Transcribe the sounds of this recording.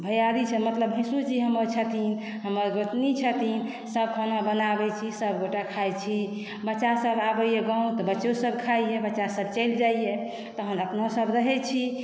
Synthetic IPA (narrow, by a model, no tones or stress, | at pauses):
bʱəjaɾit͡ʃʰɛmət̪ləbɦĩsud͡ʒiɦəməɾt͡ʃʰət̪in | ɦəməɾɡoʈnit͡ʃʰət̪in | səb̚kʰonabənabɛt͡ʃʰisəbɡoʈakʰajt͡ʃʰi | bətːʃasəbabəjeɡãũt̪ɔbətːʃosəbkʰaijebətːʃasəb̚t͡ʃəjld͡ʒaije | t̪ɔɦənəpnosəbɾəɦɛt͡ʃʰi